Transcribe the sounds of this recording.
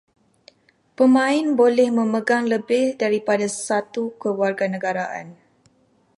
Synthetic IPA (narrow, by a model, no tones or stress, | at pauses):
pəmãɪnbolɛhmə̃məɡaŋləbɪhdaɾipadasat̪ukəlwarɡanə̃ɡaɾaʔa̰n